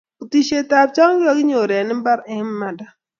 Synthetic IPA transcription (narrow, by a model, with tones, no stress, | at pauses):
o˨ti˨t͡ʃe˨ta˨p̚t͡ʃɔ˦ŋ˦ɡɪ˦ɔ˦ɡɪ˦ɲo˨ɾɛ˨nɪ˦m˦ba˦ɾɛ˨˦mː˦a˨da˦